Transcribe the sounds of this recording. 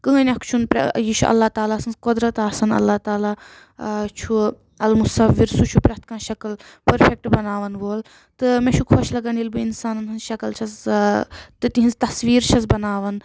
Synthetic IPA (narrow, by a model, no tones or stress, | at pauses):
kɨ̃ːnʲɐkt͡ʃʰunpɾɐ̰jit͡ʃʰṵʔɐ̰lːat̪aːlaːsɐnzkud̪ɾɐt̪aːsɐnɐ̰lːaːt̪aːlaː | t͡ʃʰu | ɐlmusɐʋːiɾsut͡ʃʰupɾʲɐt̪̚kãːʃɐkɐlpɐɾfʰek̚ʈbɐnaːʋɐnʋoːl | t̪ɨmẽt͡ʃʰukʰoʃlɐɡɐnilbɨinsaːnɐnɦɨnzʃɐkɐlt͡ʃʰɐz | t̪ɨt̪iɦinzt̪ɐsʋiːɾt͡ʃʰɐzbɐnaːʋɐn